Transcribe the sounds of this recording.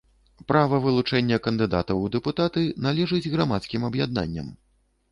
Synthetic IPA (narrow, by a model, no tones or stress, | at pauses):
pɾavɐvɨlˠut͡ʂɛnʲːɐkɐnd̪ɨd̪a̰t̪ɐwd̪ɛput̪at̪ɨnalʲɛʐɨd͡zʲɣɾamat̪skʲimɐbjad̪̚na̰nʲːɐ̰m